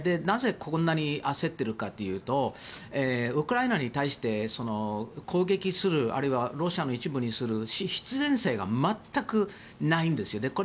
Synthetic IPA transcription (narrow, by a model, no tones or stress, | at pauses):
d̪e̞naze̞kʰõnːaɲ̟iʔase̞t̪ːe̞ɾɯ̟kat̪ːe̞jɯ̟ːt̪o̞eːɯ̟kɯ̟ɾainaɲ̟it̪aiɕi̥t̪e̞so̞no̞kʰo̞ːɡe̞kʲisɨɾɯ̟a̰ɾɯiβaɾo̞ɕiano̞it͡ɕibɯ̟ɲ̟isɨɾɯ̟ɕiɕi̥t͡sɨzẽ̞ɰ̃se̞ːɡa̰mat̪ːakɯ̟ | naĩnd̪e̞sɨjo̞d̪e̞ko